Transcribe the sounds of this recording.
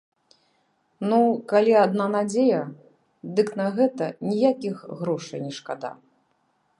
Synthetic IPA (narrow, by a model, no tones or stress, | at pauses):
nukalʲiad̪nanad͡zʲejɐ | d̪ɨknɐɣɛt̪ɐnʲijakʲixɣɾɔʂɐjnʲɛʂkad̪a̰